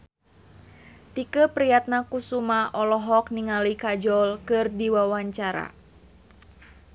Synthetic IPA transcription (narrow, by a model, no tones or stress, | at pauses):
t̪ikəpɾijat̪̚nakusumaʔɔlɔɦɔk̚niŋalikad͡ʒɔlkɨrdiwawaɲt͡ʃaɾa̰